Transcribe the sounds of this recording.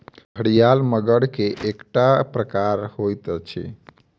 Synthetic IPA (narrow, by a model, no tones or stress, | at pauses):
bʱəɽijalməɡəɽkeʔekʈapɾəkaɾhojt̪t͡ʃʰḛ